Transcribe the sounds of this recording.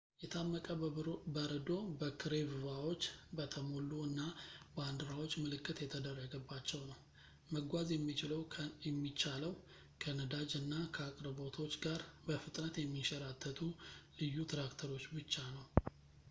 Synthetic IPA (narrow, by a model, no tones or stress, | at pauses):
jɛt̪ʰamːəkʼəbəɾəd̪o̞bəkʰɨɾevɨvawo̞t͡ʃːbət̪ʰəmolːuɨnːaband̪ɨɾawo̞t͡ʃːmɨlɨkʰʼːɨt̪jɛt̪ʰəd̪ərːəɡəbːat͡ʃːɛwnəw | məɡʷazjɛmːit͡ʃɪləwjɛmːit͡ʃːaləw | kʰənəd̪ad͡ʒɨnːakʰəakʼɾəbo̞t̪ʰo̞t͡ʃːɡaɾbəfɨt̪ʼnət̪jɛmːiʃəɾat̪ʰːət̪ʰulɨjːut̪ʰɾakt̪ʰəɾo̞t͡ʃːbɨt͡ʃːanəw